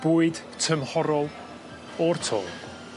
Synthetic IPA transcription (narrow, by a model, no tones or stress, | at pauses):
b̥uːɨd̥ | tʰəmhɔɾɔlˠ | ɔrtʰo̰ːlˠ